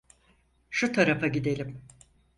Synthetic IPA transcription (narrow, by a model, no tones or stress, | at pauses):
ʃut̪ʰaɾafaɟid̪e̞lʲim